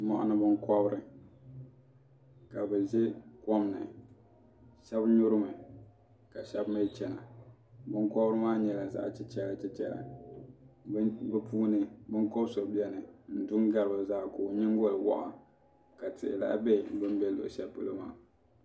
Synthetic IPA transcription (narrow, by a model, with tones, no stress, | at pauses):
mɔ̰˨ʔʊ̰˦nɨ˦bɨ˦ŋkɔ˦bɾɨ˦ | ka˨bɨ˨zɛ˦kɔ˦mnɨ̰˨ | ʃɛ˦bɲʊ˦ɾɨ˦mɨ˨ | ka˨ʃɛ˦bme˦t͡ʃɛ˨na̰˨ | bɨ˦ŋkɔ˦bɾɨ˦maː˦ɲɛ˨la˨za̰˦ʔt͡ʃɛ˦t͡ʃɛ˦la˨t͡ʃɛ˦t͡ʃɛ̰˦la̰˨˦ | bɛ˦pʰuː˦nɨ˦bɨ˦ŋko˦bso˨bi˦ɛ˦nɨ˨n̩˨dʊ˦ŋɡa˦lɨ˨ba˨zaː˦ko˨ɲɪ˦ŋ˦ɡo˦lɨ˨wɔ̰˦ʔɔ˨ | ka˨tɪ̰˨ʔɪ̰˨la̰˦ʔbɛ˦˨bɨ˦mbɛ˦lʊ̰˨ʔʃɛ˦pɨ̰˦lo˦maː˦˨